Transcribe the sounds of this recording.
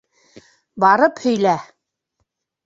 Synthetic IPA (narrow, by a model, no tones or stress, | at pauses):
bɑɾɤphɵ̆jlæ